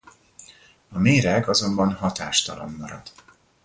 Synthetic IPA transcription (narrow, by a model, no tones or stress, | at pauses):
ɒmeːɾɛɡɒzo̞mbɒnhɒt̪aːʃt̪ɒlo̰mːɒɾɒ̰d̪̥